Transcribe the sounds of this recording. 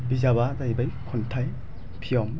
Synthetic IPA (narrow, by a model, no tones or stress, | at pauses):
bizaβazajbajkʰɔntʰaj | pʰijɔm